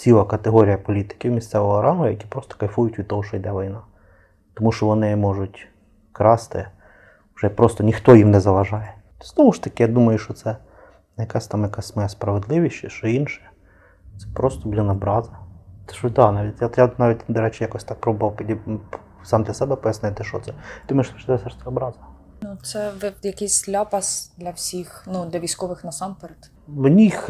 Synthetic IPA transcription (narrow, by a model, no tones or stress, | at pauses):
sʲilˠɐkɐt̪eɦɔɾʲijɐpɔlʲit̪ɪ̥kʲɪwmʲist̪sɛʋɔɦɔɾɑmʊjɐkʲi̥pɾɔst̪ɔ̥kɐlʲfujʊtʲʋʲid̪̚t̪ɔɦɔʃt͡ʃɔjd̪ɛʋɔjnɑ | t̪ɔmuʃt͡ʃɔʋɔnɪmɔʐʊtʲ | kɾɑst̪ɪ̰ | ʊʐ̥ɛpɾɔst̪ɔnʲixt̪ɔjimnɛzɐʋɐʒɑjɛ | t̪ɔznɔmʊʂt̪ɐkʲɪjad̪umɐjʊʃt͡ʃɔt̪sɛ | njɐkɑsʲt̪ɑmjɐkasʲmɔjɛspɾɐʋed̪lˠɪʋʲiʃʲt͡ʃːɛʃt͡ʃɔinʃɛ̥ | t̪sɛ̥pɾost̪ɔblʲinɐbɾɑzɐt̪ɛ̥ʂɔd̪ɑnɑʋʲitʲjajanaʋʲit̚ʲd̪ɐɾɛt͡ʃɪjakɔsʲt̪ɑk̚pɾobɔʋɐlˠpʲidʲisɑmd̪lʲɐsɛbɛpɔjɐsnʲɪt̪ɪʃɔt̪sɛd̪umɐjʊʃt̪ɔʃt̪ɛsɛɾst̪ɛɐbɾɑzɐ | nut̪sɛjɐkɪsʲlʲapɐsd̪lʲɐwsʲixnud̪lʲɐʋʲijsʲkɔʋɪxnɐsɑmpɛɾɛt̪ | wnʲix